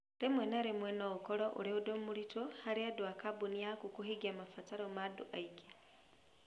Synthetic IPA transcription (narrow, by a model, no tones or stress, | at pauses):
ɾemwenaɾemwenoukoɾoʔṵɾeudomuɾitohaɾiadwakabuniakukuɦiɡiamafataɾomadṵʔaiɡe